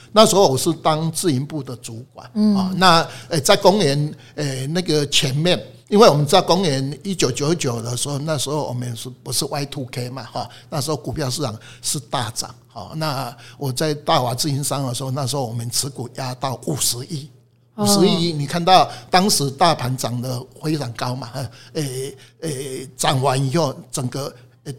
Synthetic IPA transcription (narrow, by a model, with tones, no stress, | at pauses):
na˥˩ʂ̩˧˥xo˥˧wɔ˨˩ʂ̩˥˩t̪a˦ŋt͡sɹ̩˥˧i˧npu˥˩d̪ə˨t͡su˨˦kwa̰˨˩˦nhɔ˥˧na˥˧e˨t͡sa˥˩ɪkɔ˦ŋɛ˨˦n | e˨˩na˥˧ɡə˨t͡ɕʰjɛ˨˦nmjɛ˥˨n | i˦nwe˥˩wɔ˨˩mə˦nt͡skɔ˦ŋɛ˧˦ni˦t͡ɕjo˨˩ʊt͡ɕjo˨˩ʊə˥˩t͡ɕjo˨˩ʊd̪ə˨ʂɻ̩˧˥xo˥˧ʊna˥˧ʂɻ̩˧˦ho˥˧ʊwʔɔ̰˨˩mə˦nʂ̩˥˩pu˧˦ʂɻ̩˥˧˨wa˥˧ɪt̪ʰu˥˧kʰe˦ɪma˨˩hɔ˥˨ | na˥˩ʂ̩˧˦xo˥˩ʊku˨˩pʰjɑ˥˧ʊʂ̬ɻ̩˥˩ɑ̰˨˩ŋʂɹ̩˥˧t̪a˥˩t͡sɑ̰˨˩˦ŋhɔ̰˥˩na˥˧wʔɔ˨˩t͡sa˥˧ɪt̪a˥˨wa˨˩t͡sɹ̩˥˧i˦˥nsa˥˩ŋd̪ə˨˩ʂ̩˧˦xo˥˧ʊna˥˩ʂ̬̩˧˦ho˥˩wɔ˨˩mə˦nt͡s̩ʰ˧˦ku˨˩ja˦t̪ɑ˥˩ʊʔu˨˩ʂɻ̩˧˦ʔi˥˩ | uu˨˩ʂɻ̩˧˦i˥˧i˥˩ni˨˩kʰa˥˧nt̪ɑ˥˩ʊt̪ɑ˥ŋʂɻ̩˧˦t̪a˥˩pʰa˨˥nt͡sɑ˨˩ŋd̪ə˨xwe˥ɪt͡sa˨˩ŋka˦˥ʊma˨˩˧e˧˩e˥˧t͡sɑ˨˩ŋwa˧˦ni˨˩xo˥˩ʊt͡sə˨˩ŋɡə˦˩